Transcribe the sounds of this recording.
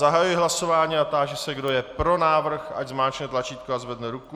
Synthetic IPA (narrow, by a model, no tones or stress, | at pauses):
aɦajujɪɦlaso̞vaːɲiːat̪aːʒɛsɛɡdo̞jɛpɾo̞naːvr̩xʔa̰ɟzmaːt͡ʃɲɛt̪lat͡ʃiːt̪̚koazvɛdnɛɾuku